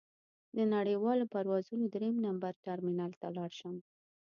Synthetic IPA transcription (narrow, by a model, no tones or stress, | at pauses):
d̪ənaɽəjwɑlopaɾwɑzunod̪ɾemnambaɾʈaɾminɑlt̪alɑɽʃəm